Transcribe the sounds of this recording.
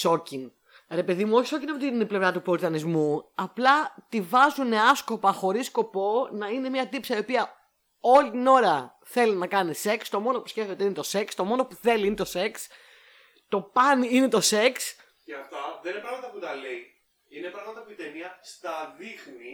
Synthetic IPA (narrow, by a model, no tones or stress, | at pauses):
so̞cin | ɾe̞pe̞ðimuo̞çiso̞cinɐpot̪iiple̞vɾɐt̪upoɾit̪ɐnizmuɐplɐt̪ivɐzuneɐsko̞pɐxo̞ɾisko̞po̞nɐine̞miɐt̪ipsɐiopiɐ | o̞lit̪ino̞ɾɐ | θe̞linɐkɐnise̞kst̪o̞mo̞no̞pusceft̪eoiinet̪o̞se̞kst̪o̞mo̞no̞puθe̞liine̞t̪o̞se̞ks | t̪o̞pɐnine̞t̪o̞se̞ks | ceɐft̪ɐðeninepɾɐɣmɐt̪ɐput̪ɐlei | inepɾɐɣmɐt̪ɐpuit̪emiɐst̪ɐðixni